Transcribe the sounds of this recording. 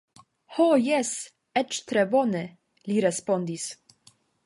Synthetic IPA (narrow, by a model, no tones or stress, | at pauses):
hojɛs | ɛt͡ʃt̪ɾɛvɔnə | liɾɛspɔnd̪is